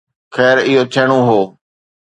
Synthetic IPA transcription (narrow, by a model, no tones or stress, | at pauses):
xɛːɾɪɦoːt͡ʃʰeːɽ̃õːɦoː